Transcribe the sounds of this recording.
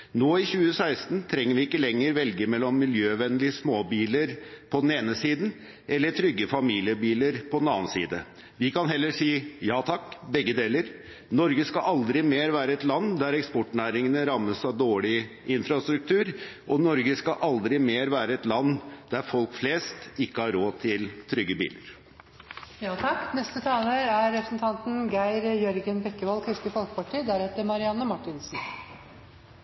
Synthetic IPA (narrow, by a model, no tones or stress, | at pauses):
noːɪçʉːəsæɪst̪nt̪ʰɾɛŋːəɾʋɪɪkːəlɛŋːəɾʋɛlɡəmɛlːɔmːɪljøːʋɛnlɪəsmoːbiːləɾpʰɔd̪n̩eːnəsiːd̪n̩ | ʔɛlːəʈʰɾʏɡːəfɑmiːlɪəbiːləɾpʰɔd̪nɑ̰ːnsḭːd̪ə | ʋɪkɑnɦɛlːəʂiːjɑːt̪ʰɑkːbɛɡːəd̪eːləɾ | nɔɾɡəskɑʔɑld̪ɾɪmeːɾʋæːɾəɛt̪lɑnːd̪æɾɛkspɔʈɳæːɾɪŋənəɾɑmːəsɑʋd̪oːɭɪ | ʔɪnfɾɑst̪ɾʉk̚t̪ʰʉːɾʔɔnɔɾɡəskɑʔɑld̪ɾɪmeːɾʋæːɾəɛt̪lɑnːd̪̥æɾfɔlkfleːst̪ɪkːəhɑɾoːt̪ʰɪlt̪ʰɾʏɡːəbḭːləɾ | jɑːt̪ʰɑkːnɛst̪ət̪ʰɑːləɾæɾɾɛpɾəsn̩t̪ʰɑnt̪n̩ɡæɪɾjœɾɡənbɛkːəʋɑlkʰɾɪst̪əfɔlkə̥pɑʈʰiːd̪æɾhɛt̪ːəɾmɑɾɪɑnːəmɑʈːɪnsn̩